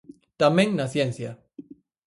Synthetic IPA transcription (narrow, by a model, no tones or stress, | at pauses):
t̪ameŋnasjensja